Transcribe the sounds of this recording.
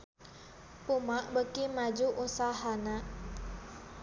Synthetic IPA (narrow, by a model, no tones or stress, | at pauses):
pumaʔbəkimad͡ʒuʔusaɦanaʔ